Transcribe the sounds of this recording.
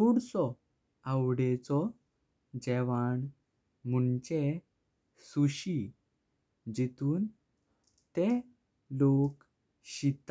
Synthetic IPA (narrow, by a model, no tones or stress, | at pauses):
uɽt͡sɔ | awɽet͡sɔ | d͡ʑɛʋaɳ | m̤uɳt͡ɕe | suɕi | d͡ʑit̪uːn | t̪e | lok | ɕit̪